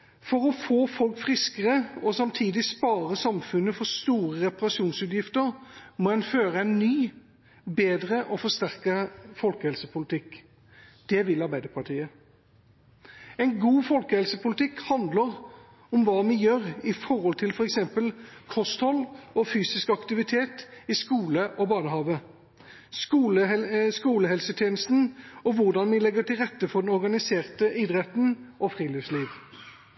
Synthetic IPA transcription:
fɔɾɔfoːfɔlkfʁɪskəʁəɔsɑmt̪ʰiːd̪ɪspɑːʁəsɑmfʉnːəfɔst̪uːʁəʁɛpɑʁɑsuːnsʉːt̪jɪft̪əɾmɔɛnføːʁəæɪnːyː | beːd̪ʁəʔɔfɔst̪æʁkəəfɔlkəhɛlsəpʰʊlɪt̪ɪk | d̪̥ɛʋɪlɑɾbæɪd̪əpʰɑʈʰiːə | ɛɪnɡuːfɔlkəhɛlsəpʊlɪt̪ʰɪkhɑnd̪ləʁ | ʊmʋɑːmɪjøːɾɪfɔʁhɔlt̪ʰɪlfɔʁɛksɛmpəlkʰɔst̪ɔlːɔfyːsɪskɑkt̪ɪʋɪt̪ʰeːt̪ɪskuːləʔɔbɑːnəɦɑːʋə | skuləskuːləɦɛlsət̪ʰjeːnəst̪n̩ɔʋʊʁd̪ɑnʋɪlɛɡəʈ̪ɪlʁɛt̪ːəfɔd̪ɛnɔʁɡɑnɪseːʁt̪əɪd̪ʁɛt̪n̩ɔfʁiːliːʋsliːʋ

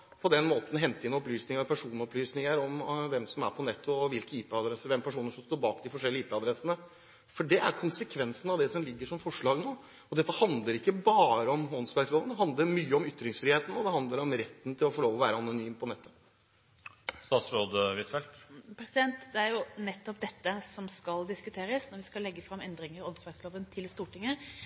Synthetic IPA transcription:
pʰɔd̪ɛnmoːt̪n̩ɦɛnt̪əɪnɔplyːsnɪŋəpʰæʂuːnɔplyːsnɪŋəɾɔmʋɛmsɔmæ̰ɾpʰɔnɛt̪ʰːʊɔʋɪlkəiːpɛɑd̪ɾɛsːəɾʋɛmːpʰæʂuːnəʂɔmst̪oːɾbɑːkd̪ɪfɔʂɛlːəiːpɛɑd̪ɾɛsənə | fɔɖɛʔæɾkʰʊnsəkʰʋɛnsnɑʋd̪ɛsɔmlɪɡːəʂɔmfɔʂɭɑːɡnoː | ɔd̪ɛt̪ːəhɑnd̪ləɾɪkːəbɑːɾəɔmɔnsbæɾkloːənd̪ɛɦɑnd̪ləɾmyːəɔmʏt̪ːɾɪŋsfɾɪːheːt̪n̩ɔd̪ɛɦɑnd̪ləɾɔmɾɛt̪ːn̩t̪ʰɪlɔfɔɭoːʋɔʋæːɾəɑnʊnyːmpʰɔnɛt̪ʰːə̥ | st̪ɑːt̪sɾoːd̪əʋɪt̪ʰɛlt̪pʰɾɛsɪd̪ɛnt̪d̪ɛæɾjʊnɛt̪ːɔpd̪ɛt̪ːəsɔmskɑld̪ɪskʉt̪ʰeːɾəsnɔɾʋɪskɑllːɛɡːəfɾɑmɛnd̪ɾɪŋəɾɔnsbæɾsloːʋənt̪ʰɪlst̪uːʈɪŋːə

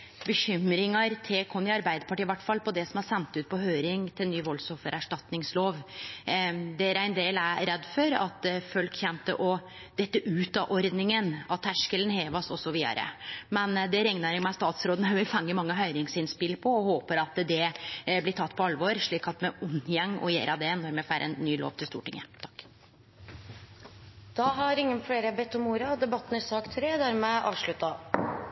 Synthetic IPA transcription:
bəçʏmɾɪŋɑɾt̪ʰekʰɔnːɪɑɾbæɪd̪əpɑʈiːɪʋæʈːfɑlːpʰɔd̪ɛsɔmɑɾsɛnt̪ʉːt̪̚pʰɔɦøːɾɪŋt̪ʰɪlnyːʋɔlsɔfəɾæʂʈɑt̪nɪŋsloːʋ | d̪ɛæɾæɪnd̪eːlæɾɛd̪ːfɔɾɑ̰t̪fœlkçɛnt̪əʔɔ | d̪̥ɛt̪ːəʔʉːt̪ɑːʔɔɾd̪nɪŋənɑt̪hæʂkələnheːʋɑsɔsɔʋiːd̪ɑ̰ɾə̰mɛnd̪ɛɾɛŋnɑɾɪmæst̪ɑːt̪sɾoːd̪nhɑʊʋɪfɑŋːəmɑŋːəɦœʏɾɪŋsɪnspɪlpʰɔɔhoːpəɾɑt̪d̪ɛblɪʈ̪ʰɑt̪ːpʰɔɑlʋɔɾʂɭiːkɑt̪mɛʊnjɛŋːɔ̰jḛːɾʔɑd̪ɛnɔɾmɛfæːɾʔɛ̰nnːyːlo̰ːʋt̪ʰɪlst̪uːʈɪŋə̰t̪ʰɑ̥kː | d̪̥ɑɦɑɾɪŋːənfleːɾəbɛt̪ːɔmuːɾɑd̪ɛbɑt̪ːn̩ɪsɑːkt̪ʰɾeːd̪æːɾmɛʔɑ̰ːʋʂɭʉt̪ɑ

